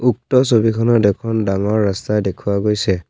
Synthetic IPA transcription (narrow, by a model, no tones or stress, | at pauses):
uk̚tɔsobikʰɔnɔdɛkʰɔndaŋɔɹːastadekʰuaɡojsɛ